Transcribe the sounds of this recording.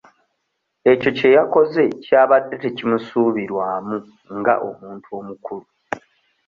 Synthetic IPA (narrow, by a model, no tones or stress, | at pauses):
e̞co̞ce̞jako̞ze̞caːβadːetecimusuːβiɾwaːmu | ŋɡa̰ʔo̰muːntuo̞ːmukulu